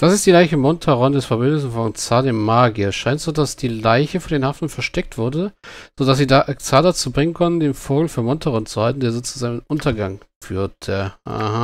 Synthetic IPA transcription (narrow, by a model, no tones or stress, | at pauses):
d̥asɪstd̥iːlaɪçəmɔntʰaʁɔndɛsfɛɐbʏndɪsn̩fɔnt͡saːdeːmaːɡiɐsʃaɪntz̥oːdasd̥iːlaɪçəfɔndeːnhaftn̩fɛɐʃtɛk̚tv̥ʊɐdəz̥oːdas̬z̥iːdaʔt͡saːdat͡suːbʁɪŋənkʰɔnn̩deːnfoːɡl̩fyːɐmɔntʰaʁɔnt͡suhaltn̩deːɐzoːt͡suzaːɡnənʔʊntɐɡaŋ | fy̰ːɐtʰjaa̰ha